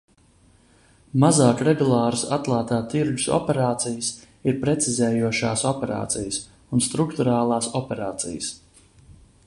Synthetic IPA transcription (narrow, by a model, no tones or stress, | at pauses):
mazaːkɾɛɡulˠɑːɾsat̪lˠaːt̪aːt̪iɾɡusɔ̰pɛɾaːt̪sijəs | iɾpɾɛt̪sizɛːjuɔʃaːsɔpɛɾa̰ːt̪sijəs | unst̪ɾukt̪uɾaːlˠaːsɔpʲɛɾaːt̪sḭjəs